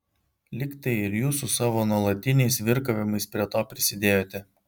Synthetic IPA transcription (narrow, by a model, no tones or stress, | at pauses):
lʲɪkt̪ɐɪɪɾjuːsʊsɑːʋoːnuɔlˠɐt̪ʲɪnʲɛɪsʋʲɪɾkɐʋʲɪmɐɪspʲɾʲiɛt̪oːpʲɾʲɪsʲɪd̪ʲeːjoːt̪ʲɛ